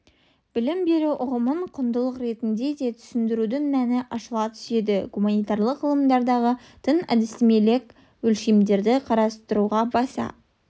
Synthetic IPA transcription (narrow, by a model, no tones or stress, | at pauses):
b̥ɪlɪmbe̞ɾuʔʊʁəməɴqʰʊnd̪əlˠəqɾe̞t̪ɪnd̪e̞d̪e̞t̪ʰʏ̥sɪnd̪ɪɾud̪ɪŋmænɪʔɑʃəlˠɑt̪ʰʏ̥se̞d̪ɪɡumanijt̪ɑɾlˠəqʁəlˠəmd̪ɑɾd̪ɑʁə | t̪ʰənæ̰d̪ɪsɪme̞le̞k | wɵlʃe̞md̪e̞ɾd̪ɪqʰɑɾɑst̪əɾuʁɑbɑsɑ̰